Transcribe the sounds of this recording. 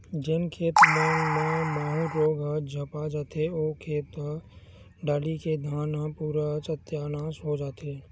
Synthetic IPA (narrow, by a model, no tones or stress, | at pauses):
d͡ʒɪnkʰeːt̪mẽːmẽməũɾoːɡad͡ʒʱəpad͡ʒaːt̪ʰeoːkʰeːt̪a | ɖaːliked̪ʱaːnapuːɾat͡ʃət̪ːjaːnaːsɦod͡ʒaːt̪ʰeː